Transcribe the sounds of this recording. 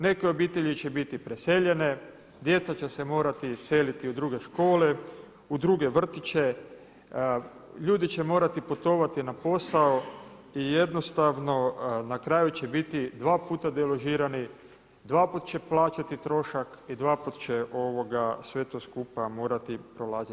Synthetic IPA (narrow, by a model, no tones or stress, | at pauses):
ne̞keo̞biːt̪e̞ʎit͡ɕebit̪ipɾese̞ʎene̞ | d̪je̞t̪sat͡ɕese̞mo̞ːɾat̪ise̞lit̪iud̪ɾuːɡe̞ʃko̞ːle̞ | ud̪ɾuɡe̞ʋr̩t̪it͡ʃe̞ | ʎuːd̪it͡ɕe̞mo̞ːɾat̪iput̪o̞ʋat̪inapo̞saoije̞d̪no̞st̪aʋno̞nakɾaːjut͡ɕe̞bit̪id̪ʋaːpuːt̪ad̪elo̞ʒiːɾani | d̪ʋaːput̪t͡ɕe̞plˠaːt͡ʃat̪it̪ɾo̞ʃakid̪ʋaːput̪t͡ɕeʔo̞ʋo̞ɡasʋe̞t̪o̞ːskupamo̞ːɾat̪ipɾolaːza